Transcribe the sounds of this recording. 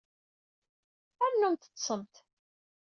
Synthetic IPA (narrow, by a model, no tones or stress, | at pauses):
æɾnːunt̪ə̥t͡sːsəmt̪